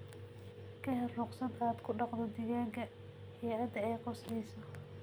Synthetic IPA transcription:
kʰɐɦɛrrʊqsɐd̪aːd̪kʰʊɖɑqðɔd̪ɪːɣaːŋkʰɐ | hijʕɐd̪ɐɛjqɔslɛjsɔ

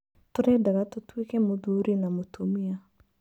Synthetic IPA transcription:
tʊɾedaɡatʊtuikemoduːɾinamotʰomia

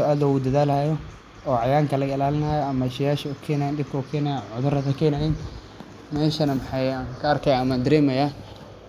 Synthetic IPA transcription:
ɔʔɐðɔwʊd̪ɐðaːlhajɔ | ɔːʕɑjaːŋkʰɐlɐɣɪlaːlɪnaːjɔɐmɐɪʃɪjaːʃɐʊkʰɛːnaːjɛndɪb̚kʰɔkʰɛːnɐjaʕʊðʊɾɐðɐkʰɛːnɐjɛn | mɛːʃɐnɐmɑħɑjakʰɐɐrkʰɐjaːɐmand̪ɐɾɛːmɐjaː

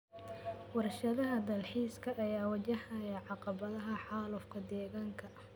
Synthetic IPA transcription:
wɑrʃɐðɐɦɐd̪ɐlħiːskʰɐʔɐjaːwɐt͡ʃɐhɐjɐʕɑqɑβɐðɐɦɐħɑːlʊfkʰɐd̪ɛːɣaːŋkʰɐ

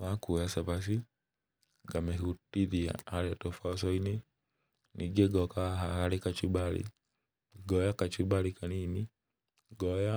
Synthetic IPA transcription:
βakujasabasi | ɡamɛɦutiðia̰aɾatɔfaɔsɔini | nʔiɡɛɡɔkaɦahalikat͡ʃubalḭ | ɡɔjakat͡ʃubalikanini | ɡɔja

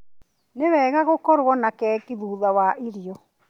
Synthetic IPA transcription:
newɛːɣaɣokɔɾwɔnakɛːkiðuːðawaʔiɾiɔ

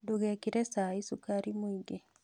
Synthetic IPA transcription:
duɣɛkiɾɛsaːisukaɾimwiɡe

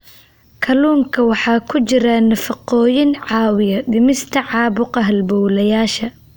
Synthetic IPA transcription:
kʰɐluːŋkʰɐwɑħɑːkʰʊt͡ʃɪɾɐnɐfɐqɔːjɪnʕɑːwɪjɐd̪ɪmɪst̪ʰɐʕɑːbʊqɑɦɐlbɔwlɐjaːʃɐ

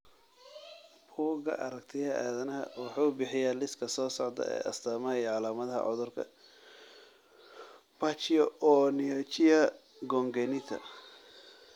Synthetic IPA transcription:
buːɡɐ̰ʔɐ̰ɾɐkt̪ʰɪjɐaːðɐnɐɦɐ̰wɑħuːbɪħɪjalɪskʰɐsɔːsɔʕd̪ɐ̰ɛ̰ːʔɐ̰st̪ʰɐːmɐhɐʕɑlaːmɐðɐɦɐ̰ʕɔðʊrkʰɐ̰ | b̥at͡ʃɪjɔɔːnɪɐt͡ʃɪjɐ | ɡɔŋɡɛnɪt̪ʰɐ̰

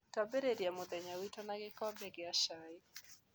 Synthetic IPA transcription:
kabɛɾeɾiamʊðɛɲawitɔnaɡɪkɔbɛɡɪaʃaɪ

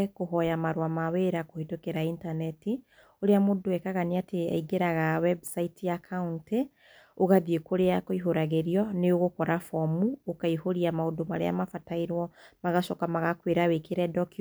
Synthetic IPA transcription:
koɦɔjamaɾoamaweɾakohetokeɾaintanɛti | oɾeamodowɛkaɣaniatea̰iɡeɾaɣawɛbsaitijakʰaunte | oɣaðiekoɾeakoiɦoɾaɣeɾiɔneoɣokɔɾafɔmuokaihoɾiamaodomaɾḛa̰mafataiɾwɔmaɣaʃɔkamaɣakweɾawekeɾɛdɔk

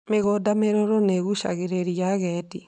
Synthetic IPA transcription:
meɣodameɾɔɾɔneɣuʃa̰ɣeɾeɾiaɣɛti

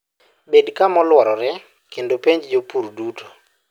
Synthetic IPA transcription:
bedkamɔlwɔɾɔɾɛ | kendopeɲd͡ʒd͡ʒopurdutʰo̥

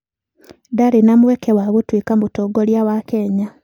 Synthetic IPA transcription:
daɾinamwekewaβutwiːkamutoːɡoljawakeɲa

